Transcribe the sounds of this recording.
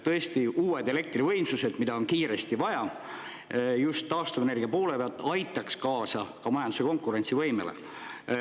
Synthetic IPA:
t̪ɤe̞st̪iuːed̪e̞le̞k̚t̪rivɤ̞jmsuse̞d̪̥mid̪̥ɑo̞nkiːɾe̞st̪ivɑjɑ | just̪ːɑːst̪uve̞ne̞rɡiɑpo̞ːle̞peɑlt̪ːˑɑjt̪ːˑɑkskɑːsɑkɑmɑjɑnd̪u̥se̞ko̞ŋkːˑuɾe̞nt̪sivɤ̞jmelḛ

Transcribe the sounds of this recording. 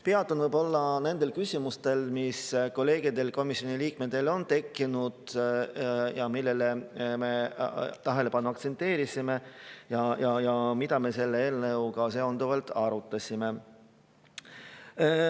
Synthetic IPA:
peɑt̪ːˑonvɯjbo̞lːɑne̞nd̪e̞lkysʲimust̪e̞lmisko̞le̞ːɡ̥id̪e̞lko̞misjoniliːkmed̪e̞lo̞nt̪e̞kːˑinud̪̥ | jɑmilːe̞leme̞t̪ɑɦe̞le̞pɑnːuɑk̚tse̞nt̪ːˑe̞ːɾisime̞jɑjɑjɑmid̪ɑme̞se̞lːeeːlnɤwɡɑseo̞nd̪uvɑlt̪ɑɾut̪ːˑɑsʲime̞

